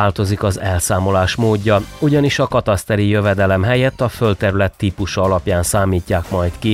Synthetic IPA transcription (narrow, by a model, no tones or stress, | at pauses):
aːlt̪o̞zikɒzɛlsaːmo̞laːʃmoːɟːɒuɟɒniʃɒkɒt̪ɒst̪ɛɾijøvɛd̪ɛlɛmɦɛjɛt̪ːɒfølt̪ɛɾylɛt̪ːiːpuʃɒɒlɒpjaːnsaːmiːcːaːkmɒjt̪ki